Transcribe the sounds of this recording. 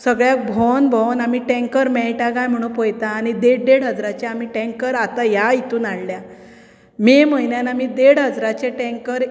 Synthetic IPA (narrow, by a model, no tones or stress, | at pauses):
səɡɭjak̚bʱɔnbʱɔnamiʈɛ̃ŋkəɾmɛjʈaɡãjm̤əɽ̃ũːpojt̪aːɽid̪eɽɖeɽɦəd͡zɾat͡ɕaamiːʈɛ̃ŋkəɾat̪ajait̪uːnaɽlja | meməinjanamid̪eɽɦəd͡zɾat͡ɕeʈɛ̃ŋkəɾ